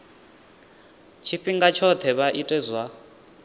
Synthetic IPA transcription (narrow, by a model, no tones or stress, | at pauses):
t͡ʃʰiɸiŋɡat͡ʃʰɔt̪ʰɛβaʔitʼɛzwa